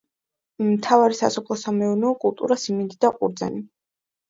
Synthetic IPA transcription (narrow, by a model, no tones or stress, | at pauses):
imt̪ʰavaɾisa̰sɔpʰlˠɔsamɛunɛɔkʼulˠt̪ʼuɾasimind̪id̪aqʼṵɾd̪za̰ni